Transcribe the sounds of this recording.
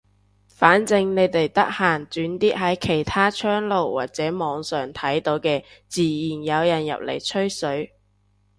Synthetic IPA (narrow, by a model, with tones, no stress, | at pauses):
faː˨˥nt͡sɪ˧ŋne˨˧jt̪e˨jt̪ɐ˥k̚haː˨˩nt͡syː˨˥nt̪iː˥ʔ̚ɦɐ˨˥jkʰe˨˩jt̪ʰaː˥t͡ʃʰœː˥ŋlo˨wwa̰ː˨t̚t͡sɛː˨˥mɔː˨˧ŋsœː˨ŋt̪ʰɐ˨˥jt̪o˨˥wkɛː˧t͡siː˨˩jiː˨˩njɐ˨˧wjɐ˨˩njɐ̰˨p̚lḛ˨˩jt͡ʃʰɵ˥ɥsɵ˨˥ɥ